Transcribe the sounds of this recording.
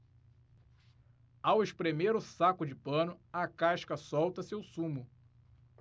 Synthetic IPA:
aweʃpɾemeɾʊsakʊd͡ʒɪpɐ̃nʊɐkaʃkɐsɔwt̪ɐsewsũmʊ

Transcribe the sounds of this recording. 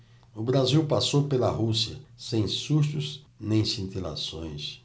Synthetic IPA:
ʊbɾaziwpasowpelɐɦusiɐsẽj̃suʃt̪ʊz | nẽj̃sĩnt̪ila̰sõj̃s

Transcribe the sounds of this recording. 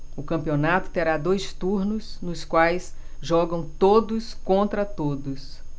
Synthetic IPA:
ʊkɐ̃mpionat̪ʊ̥t̪eɾad̪ojst̪uɾnʊsnʊskwajsʒɔɡɐ̃w̃t̪od̪ʊskõnt̪ɾɐt̪od̪ʊs

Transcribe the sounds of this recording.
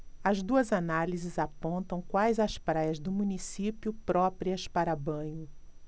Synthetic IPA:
ɐzd̪uɐzanalizɪzapõnt̪ɐ̃w̃kwajzɐspɾajɐzd̪ʊmũnisipjʊpɾɔpɾiɐspaɾɐbɐ̃ɲʊ

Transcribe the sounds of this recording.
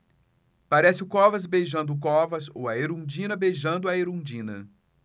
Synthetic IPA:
paɾɛsɪʊkɔvɐzbejʒɐ̃nd̪ʊkɔvɐzo̰wɐeɾũd͡ʒĩnɐbejʒɐ̃nd̪ʊɐeɾũd͡ʒĩnɐ̰

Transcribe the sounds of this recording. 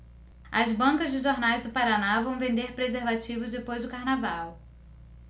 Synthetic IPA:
ɐzbɐ̃ŋkɐzd͡ʒɪʒoɾnajzd̪ʊpaɾanavɐ̃w̃vẽnd̪eɾpɾezeɾvat͡ʃivʊzd̪epojzd̪ʊkaɾnavaw

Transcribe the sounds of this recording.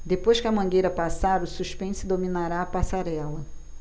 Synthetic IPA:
d̪epojʃkɪɐmɐ̃ɡejɾɐpasaɾʊsuʃpẽsʊd̪ominaɾaːpasaɾɛlɐ

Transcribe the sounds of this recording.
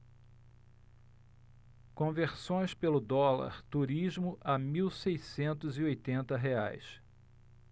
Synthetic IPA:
kõveɾsõj̃spelʊd̪ɔlɐ̰ɾt̪uɾiʒmʊʔɐmiwsejsẽnt̪ʊziojt̪ẽnt̪ɐɦea̰js

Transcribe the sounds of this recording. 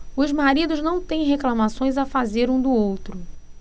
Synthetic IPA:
ʊzmaɾid̪ʊznɐ̃w̃t̪ẽj̃ɦeklɐmasõj̃zafazeɾũd̪ʊowt̪ɾʊ

